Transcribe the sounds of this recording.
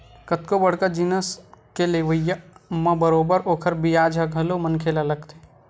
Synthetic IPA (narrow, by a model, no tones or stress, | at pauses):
kət̪̚kobəɽ̤kad͡ʒiːnəskeleʋəjamɐ̃bəɾoːbəɾoːkʰəɾbijaːd͡ʒʱaɡʱɐlomənkʰeːlalɐɡt̪e